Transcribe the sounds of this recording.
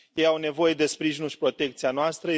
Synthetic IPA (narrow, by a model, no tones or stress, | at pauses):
je̞jawne̞vo̞je̞d̪e̞spɾiʒinulʃi̥pɾo̞t̪e̞k̚t̪sianoast̪ɾə